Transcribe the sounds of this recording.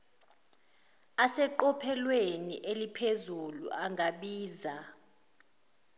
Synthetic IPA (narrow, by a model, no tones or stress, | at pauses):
asɛǃɔpʰɛlweniʔelipʰezulṵʔaŋʱaɓiːza